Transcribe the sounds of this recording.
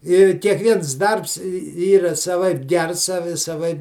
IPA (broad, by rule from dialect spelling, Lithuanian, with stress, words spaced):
ɪ kʲiɛkˈʋʲiɛns ˈdɐrps ˈiːrɐ sɐˈʋɐɪp ˈɡʲɛrs sɐˈʋʲɪ sɐˈʋɐɪp